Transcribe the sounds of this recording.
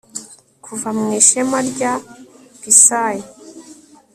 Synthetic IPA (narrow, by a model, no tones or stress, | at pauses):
kʰuvamŋiːʃemaɾɟakisaje